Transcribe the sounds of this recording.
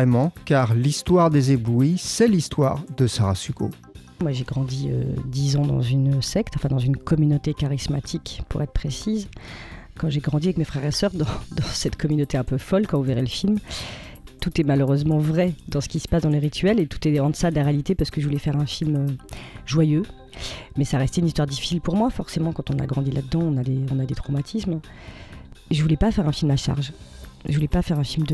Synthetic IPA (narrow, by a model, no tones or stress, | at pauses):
ɛmɑ̃kaʁlist̪waʁd̪ezebluisɛlist̪wa̰ʁd̪əsaʁasyko̰ | mwaʒeɡʁɑ̃d̪iø̰d̪izɑ̃d̪ɑ̰̃zynsɛkt̪ɑ̃fɛ̃d̪ɑ̃zynkɔmynot̪ekaʁismat̪ʰikpʰṵʁɛt̪χə̥pχesiz | kɑ̃ʒeɡʁɑ̃d̪iavɛkmefχɛʁesœʁd̪ɑ̃d̪ɑ̃sɛt̪kʰɔmynot̪eɛ̃pøfɔlkɑ̃vuveʁeləfilm | t̪ut̪ɛmaløʁøzmɑ̃vʁɛd̪ɑ̃sə̥kʲisə̥pasd̪ɑ̃leʁit̪ʰɥɛlet̪u̥t̪ɛɑ̃d̪əsad̪əlaʁealit̪epaʁsə̥kəʒəvulɛfɛʁɛ̃filmøʒwajø | mɛsaʁɛst̪eynist̪waʁd̪ifi̥silpuʁmwafɔʁsemɑ̃kɑ̃t̪ɔ̃na̰ɡʁɑ̃d̪ilad̪d̪ɑ̃ɔ̃nad̪eɔ̃nad̪et̪χɔmat̪ʰism | ʒəvulɛpafɛʁɛ̃filmaʃa̰ʁʒʒəvulɛpafɛʁɛ̃filmd̪ə